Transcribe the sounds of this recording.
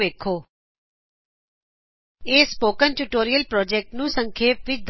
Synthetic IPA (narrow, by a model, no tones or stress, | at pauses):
ʋeːkʰoː | eːspoːkənʈuʈoːɾijəlpɾɔːd͡ʒɛːk̚ʈnũːsə̃ŋkʰeːpʋɪt͡ʃd̪